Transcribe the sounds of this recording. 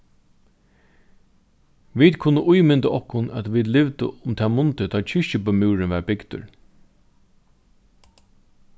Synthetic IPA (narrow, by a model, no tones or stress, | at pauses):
ʋiːt̪kʰʊnːəʔʊjmɪnt̪aʔɔhkːʊnæt̪ʋiːd̪lɪʋt̪ɪ̰ʊmt̪ʰæːmʊnt̪ɪt̪ʰɔt͡ʃʰɪʃɪpəmuːɾɪnʋæɹbɪkt̪ʊ̰ɹ